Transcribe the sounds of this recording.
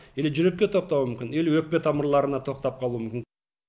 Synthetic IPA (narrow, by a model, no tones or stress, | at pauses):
e̞lʒʏɾe̞kʲːe̞t̪ʰo̞q̚t̪ɑwəmʏmkʲɪne̞lwɵk̚pe̞t̪ʰɑməɾlˠɑɾənɑt̪ʰo̞q̚t̪ɑp̚qʰɑlˠumʏmkʲɪn